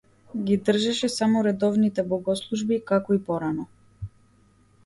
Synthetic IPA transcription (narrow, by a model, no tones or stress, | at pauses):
ɡid̪r̩ʒɛʃɛsamɔɾɛd̪ɔvnit̪ɛbɔɡɔslˠuʒbikakɔipɔɾanɔ